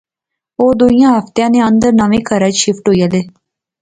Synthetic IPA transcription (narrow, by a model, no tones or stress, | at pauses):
oːd̪oijãːɦəft̪jãːnẽːənd̪əɾnaːʋẽːkʰəɾəːd͡ʒʃɪfʈɦoːiːaːleː